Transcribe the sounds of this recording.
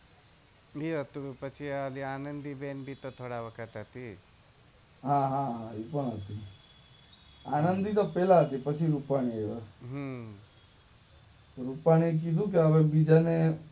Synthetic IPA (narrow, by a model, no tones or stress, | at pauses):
iɦət̪upət͡ʃʰialiaːnənd̪ibenbʱit̪ot̪ʰoːɽaʋəkʰət̪ɦət̪i | ɦãɦãɦãipəɽɦət̪i | aːnənd̪it̪opeːlaɦət̪ipət͡ʃʰiɾupaɽ̃ieʋəɦ | t̪oɾupaɽ̃iek̬id̪ʱũkeəʋebid͡ʒane